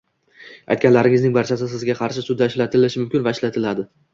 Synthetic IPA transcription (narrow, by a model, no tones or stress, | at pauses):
a̰jt̪kʲanlaɾɪŋɪznɪŋbaɾt͡ʃʰas̬ɪs̬ɪzɡʲaqʰɑɾʃɪsʊd̪ːaɪʃlat̪ʰɪlɪʃɪmʊmkʲɪnvaɪʃlat̪ʰɪlad̪ɪ